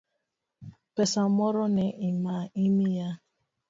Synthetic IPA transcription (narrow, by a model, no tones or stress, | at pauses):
pɛsamɔɾɔneʔimaimija